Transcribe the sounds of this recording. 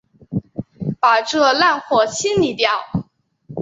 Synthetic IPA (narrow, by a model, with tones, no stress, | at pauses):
pa˨˩ʈ͡ʂɤ˥˩˧la˥˧nxwɔ˥˩ɕʰi˥nli˨˩t̪jɑ˥˩ʊ